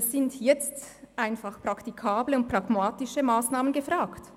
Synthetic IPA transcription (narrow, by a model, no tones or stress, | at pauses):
sɪntjɛt͡stʔaɪnfaχpr̥aktikʰaːbləʊnt̚pʁ̥aɡmaːtɪʃəmaːsnaːmənɡəfʁaːkt